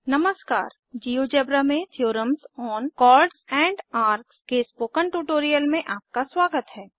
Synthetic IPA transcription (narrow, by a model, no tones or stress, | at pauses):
nɐməska̰ːɾ | d͡ʒiːjod͡ʒɛbɾəmẽt̪ʰjoːɾəmsɔːnkɔːɾɖsɛ̃ːɳɖaːɾkskespoːkəɳʈuːʈoːɾijəlmẽʔaːp̚kaswaːɡət̪ɦɛː